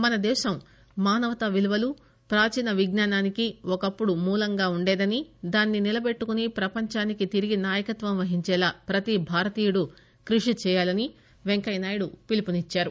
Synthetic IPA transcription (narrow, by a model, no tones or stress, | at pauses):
mɐnɐd̪ɛːʃɐm | maːnɐʋɐt̪ɐʋiluʋɐlu | pɾaːt͡ʃinɐʋiɡnaːnaːnikiɔkɐpːuɽumuːlɐŋɡaːuɳɖɛːd̪ɐnid̪aːnːinilɐbe̞ʈːukunipɾɐpɐɲt͡ʃaːnikit̪iɾiɡinaːjɐkɐt̪ʋɐmʋɐɦiɲt͡ʃɛːlaːpɾɐt̪ibʱaːɾɐt̪iːjuɽu | kɾuʂit͡ʃɛːjaːlɐni | ʋeŋkɐjnaːjɐɽupilipunit͡ʃːaːɾu